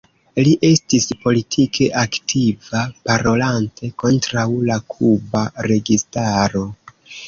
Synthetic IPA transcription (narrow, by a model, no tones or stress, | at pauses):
liʔe̞stispo̞litʰikʰe̞ʔaktʰivapaɾo̞lantʰe̞ko̞ntɾawlakʰubaɾe̞ɡistaɾo̞